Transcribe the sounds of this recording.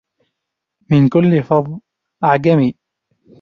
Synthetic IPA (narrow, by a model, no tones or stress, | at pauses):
mɪnkʊlːɪfɑðˤ | ʔaʕɡamiː